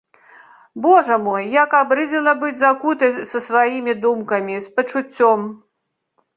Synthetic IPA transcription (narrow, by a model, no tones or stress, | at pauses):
bɔʐɐmɔjːakabɾɨd͡zʲɛlˠɐbɨd͡zʲzakut̪ɨsɐsvajimʲid̪umkɐmʲispɐt͡ʂut͡sʲːɔm